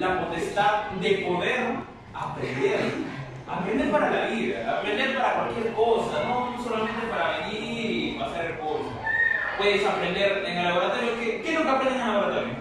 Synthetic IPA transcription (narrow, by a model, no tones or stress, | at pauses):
lapo̞t̪est̪aðd̪e̞po̞ðeɾ | apɾḛnd̪eɾa | apɾend̪epaɾalaβiða̰ːpɾend̪eɾpaɾakwalkjeɾkosanoso̞lamẽnt̪epaɾaβeɲi | pasaɾeɾkosopwe̞ðesapɾend̪eɾeŋalaβoɾad̪elokekenuŋkeapɾend̪eŋeŋaoɾat̪ambjẽŋ